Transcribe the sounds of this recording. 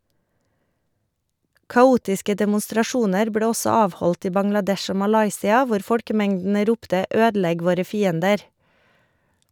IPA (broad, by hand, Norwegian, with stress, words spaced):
kɑˈuːtɪskə dɛmʊstɾɑˈʃuːnəɾ ˈbleː ˈɔsɔ ˈɑːʋhɔlt ˈiː bɑŋlɑˈdɛʃ ˈoː mɑˈlɑɪsɪɑ ˈʋʊɾ ˈfɔlkəˌmɛŋdn̩ə ˈɾuːptə ˈøːdl̩ˌɛɡ ˈʋoːɾə ˈfiːəndəɾ